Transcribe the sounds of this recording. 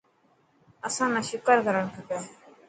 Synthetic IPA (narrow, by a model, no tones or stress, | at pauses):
əsãːnãːʃʊkəɾkəɾəɳkəpaː